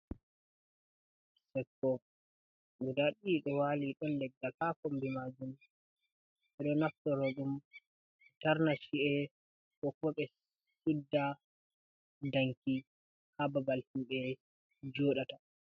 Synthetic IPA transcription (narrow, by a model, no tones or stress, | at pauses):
sɛkːɔ | ɡudaɗiɗɔwaliɗɔnlɛɡːakakombimad͡ʒum | ʔɛɗɔnaftɔɾɔɗum | ɛtaɾnaʃiɛ | kɔkːɔɓɛ | sudːa | daŋki | hababaltimɓɛ | d͡ʒɔːɗata